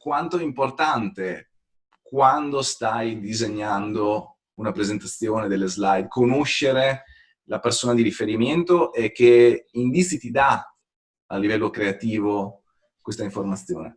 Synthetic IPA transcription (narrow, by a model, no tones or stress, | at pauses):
kwant̪oɛimport̪ant̪e | kwand̪ost̪ajd̪izeɲːand̪o | unapɾezent̪at̪sːjoːned̪elːezlajd̪kʰonoʃːeɾe | lapersoːnad̪iɾifeɾiment̪oʔɛk̟ːeind̪it̪sit̪id̪a | alːivɛlːokɾeat̪iːvo | kwest̪aiɱformat̪sːjo̰ːnḛ